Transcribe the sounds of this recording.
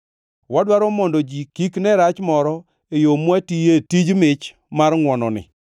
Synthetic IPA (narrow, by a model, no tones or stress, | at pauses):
wadwaɾɔmɔndod͡ʒikiknɛɾat͡ʃmɔɾɔ | ejomwatijetid͡ʒmɪt͡ʃ | marŋwɔnɔ̰nɪ̰